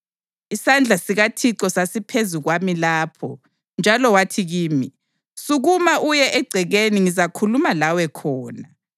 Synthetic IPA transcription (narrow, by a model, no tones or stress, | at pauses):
isand͡ɮʱasiɣatʰiǁɔsasipʰezuɣwamilaːpʰɔ | nd͡ʒʱalɔwatʰiɣiːmi | suɣumaʔujɛʔɛɡ͡ǀʱɛɣeniŋizakʰulumalawɛkʰɔːna